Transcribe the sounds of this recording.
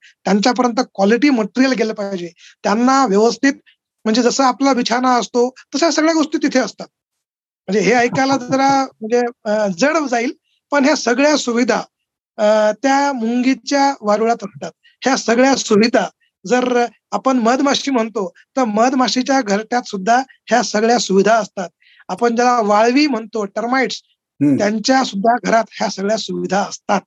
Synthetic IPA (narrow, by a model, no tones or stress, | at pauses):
t̪jaɲt͡ɕjap̬əɾjənt̪əkʋaliʈiːməʈiɾijəlɡʱeləpajd͡ʑe | t̪janːaʋjəʋəst̪ʰiːt̪ | m̤əɳd͡zed͡zəsəːaplaʋit͡ɕʰanaəst̪ot̪əsasəɡɭjaɡoʂʈ̪iːt̪it̪ʰeəst̪at̪̚ | m̤əɳd͡zeɦeəjkalad͡zəɾam̤əɳd͡zed͡zəɽʋd͡zaiːl | pəɳɦjasəɡɭjasuʋid̪ʱa | t̪jamuŋɡit͡ɕjaʋaɾuɭat̪əsʈ̪at̪̚ | hjasəɡɭjasuʋid̪ʱa | d͡zəɾ | apəɳməd̪maɕiːm̤əɳt̪o | t̪əɾməd̪maʂit͡ɕjaɡʱəɾʈjat̪sud̪ʱːa | hjasəɡɭjasuʋid̪ʱaəst̪at̪̚ | apəɳd͡ʑalaʋaɭʋiːm̤əɳt̪oʈəɾmaiʈs | jaɲt͡ɕjasud̪ʱːaɡʱəɾat̪hjasəɡɭjasuʋid̪ʱaəst̪at̪̚